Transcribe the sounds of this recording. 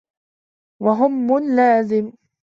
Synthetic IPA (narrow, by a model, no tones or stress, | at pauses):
waɦʊmːʊnlaːzɪm